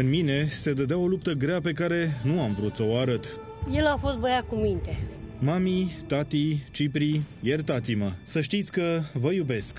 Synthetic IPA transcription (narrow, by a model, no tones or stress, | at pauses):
ɨnmine̞se̞d̪əd̪eawo̞lup̚t̪əɡɾeape̞kaɾe̞nuamvɾut̪səoaɾət̪ | je̞lafo̞st̪bəjakumint̪emamit̪at̪it͡ʃipɾije̞rt̪at̪siməsəʃt̪it̪sʲkəvəjube̞sk